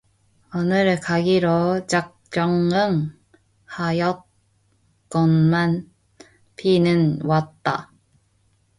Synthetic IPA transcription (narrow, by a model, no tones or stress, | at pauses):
ʌnɯɭkaɡiɾot͡ɕak̚t͡ɕ͈ʌŋɯŋ | hajʌt̚ | k͈ʌnman | pʰinɯnwat̚t͈a